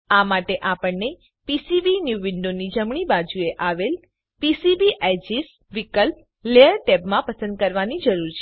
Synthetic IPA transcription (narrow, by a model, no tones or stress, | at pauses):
amaʈeʔapəɳːe | pisibinjuʋiɳɖonid͡ʒəmɳ̃ibad͡ʒueʔaʋel | pisibiʔɛd͡ʒis | ʋikəlp̚ | leəɾʈebmãpəsə̃nd̪̚kəɾʋanid͡ʒəɾuɾt͡ʃʰe